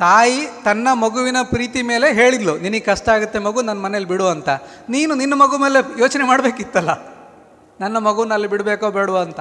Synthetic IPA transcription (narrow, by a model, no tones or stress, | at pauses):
t̪aːjit̪ɐnːɐmɐɡuʋinɐpɾiːt̪imeːle̞ɦe̞ːɭid̪luniniɡkɐʂʈɐaːɡut̪ːe̞mɐɡunɐnːɐmɐnelibiɽuɐnt̪ɐ | niːnuninːɐmɐɡume̞ːle̞joːt͡ʃɐnemaːɽbe̞ːkit̪ːɐlːɐ | nɐnːɐmɐɡuʋɐnːɐlːibiɽbeːkoːbeːɽuʋoɐnt̪ɐ